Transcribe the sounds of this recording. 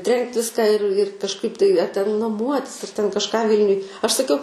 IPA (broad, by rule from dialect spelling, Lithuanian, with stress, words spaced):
ˈtʲrʲɛŋkt ˈʋʲɪskɑː ɪr ɪr kɐʃˈkɐɪp tɐɪ ɐ tʲɛn nɐˈmuɔtʲɪs ɐr tʲɛn kɐʃˈkɑː ˈʋʲɪlʲnʲʊj ɐʃ sɐˈkʲɛʊ